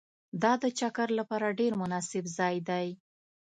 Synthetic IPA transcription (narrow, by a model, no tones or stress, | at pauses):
d̪ɑd̪ət͡ʃakaɾlapɑɾaɖeɾmʊnɑsɪbzɑjd̪aj